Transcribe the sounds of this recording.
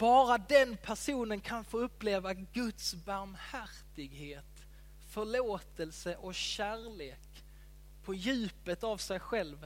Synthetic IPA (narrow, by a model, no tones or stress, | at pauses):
b̥ɑːɾad̪ɛnpʰæʂuːnənkʰanfoːɵpːleːvaɡɵt̪sbaɾmhæɾt̪ɪɡheːt̪ | fœɭoːt̪əlsəʔɔkɕæːɾɭeːk | pʰɔjʉ̟ːpət̪avsɛjɧɛlv